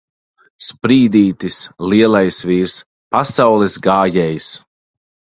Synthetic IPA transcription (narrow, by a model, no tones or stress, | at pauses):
spɾiːd̪iːt̪isliɛlˠajsviːɾs | pasawlɛsɡaːjɛːjs